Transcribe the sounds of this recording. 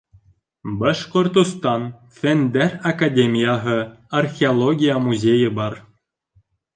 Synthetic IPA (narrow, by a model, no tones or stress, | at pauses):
bɑʃkŏrt̪ust̪ɑn | fʲend̪ærʲakadʲemʲijɑɦɤ̆ | arxʲeolˠoɡʲijɑmuzʲejɘ̆bɑr